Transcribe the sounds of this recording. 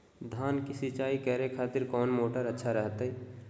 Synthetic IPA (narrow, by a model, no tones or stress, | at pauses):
d̪ʱaːnkisɪt͡ʃaːikɛɦɾekʰaːt̪ɪɾkɔːnmoːʈəɾətːʃʰaɾɛɦt̪ɦɛ